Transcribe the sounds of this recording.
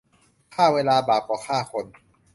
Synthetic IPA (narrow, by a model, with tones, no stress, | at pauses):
kʰaː˥˩weː˧laː˧baː˨˩p̚kɔː˨˩kʰaː˥˩kʰo˧n